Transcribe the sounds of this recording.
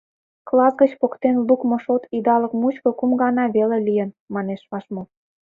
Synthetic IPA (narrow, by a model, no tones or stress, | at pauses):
klɑzɡət͡ɕpokt̪enlukmŏʃot̪id̪ɑlə̆kmut͡ɕkokumɡɑnɑβelelijən | mɑneʃβɑʃmo